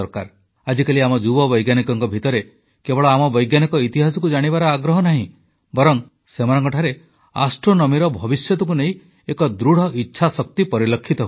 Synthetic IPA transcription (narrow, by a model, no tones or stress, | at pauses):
ɔɾka̰ɾ | ad͡ʒikaliamɔd͡ʒubɔbɔjɡjanikɔŋkɔbʱit̪ɔɾe | kebɔɭɔamɔbɔjɡjanikɔit̪iɦasɔkud͡ʒaɽ̃ibaɾɔaɡɾɔɦɔnaɦĩ | bɔɾɔŋ | semanɔŋkɔʈʰaɾe | a̰sʈɾɔnɔmiɾɔbʱɔbisjɔt̪ɔk̬uneĩ | ekɔd̪ɾuɽ̤ɔʔitːʃʰasɔk̚t̪ipɔɾilɔkʰːit̪ɔɦ